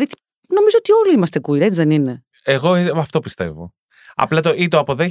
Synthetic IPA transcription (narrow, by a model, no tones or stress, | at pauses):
ðit̪i̥ | no̞mizoot̪io̞liimɐst̪ekuiɾet͡sðenine̞ | eɣo̞ɐft̪o̞pist̪e̞̰vo̰ | ɐ̰plɐt̪oʔit̪oɐpo̞ðe